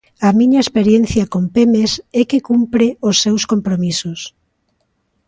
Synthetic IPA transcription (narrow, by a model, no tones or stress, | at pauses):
ɐmĩɲɐespeɾjenθjɐkompemesɛkekumpɾɪosːewskompɾomisʊs